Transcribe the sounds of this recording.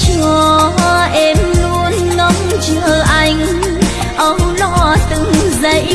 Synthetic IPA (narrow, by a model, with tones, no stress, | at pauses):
t͡ɕːʔɛ˧mlu˧ənːɔ˧˦mt͡ɕəː˧˨˩ʔa˧˩jŋ̟ | ʔə˧˦wŋ͡mlɔ˧˥t̪ɨ̰˧˨ŋzə˧˦j